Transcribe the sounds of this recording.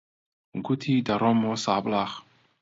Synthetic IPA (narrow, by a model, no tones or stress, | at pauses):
ɡut̪ʰid̪aɾɔmɔsablaχ